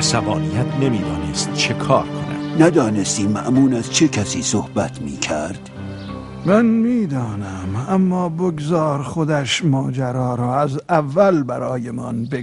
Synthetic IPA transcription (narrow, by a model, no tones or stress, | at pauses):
sævɒːnijæt̪ʰne̞miːd̪ɒːnest̪̚t͡ʃʰekʰɒːɾkʰonæ̰d̪næd̪ɒːnest̪iːmːæʔmuːnæz̥t͡ʃʰekʰæsiːsohbæt̪ʰmiːkʰæɾd̪̥ | mænmiːd̪ɒːnæmæmːɒːboɡzɒːɾχod̪æʃmɒːd͡ʒæɾɒːɾɒːæzævːælbæɾɒːjemɒ̰nbe